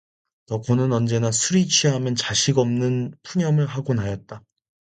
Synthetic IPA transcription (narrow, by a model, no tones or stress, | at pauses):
tʌkonɯnʌnd͡ʑe̞nasʰuɾit͡ɕʰiɦamjʌnt͡ɕaɕʰiɡʌmnɯnpʰuɲjʌmɯɭɦaɡonajʌt̚t͈a